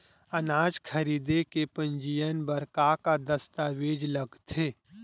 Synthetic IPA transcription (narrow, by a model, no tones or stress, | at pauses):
ɐnaːd͡ʒkʰɐɾiːd̪ekepɐ̃ɲd͡ʒijənbəɾkakad̪ɐst̪aːʋeːd͡ʒləɡt̪ʰeː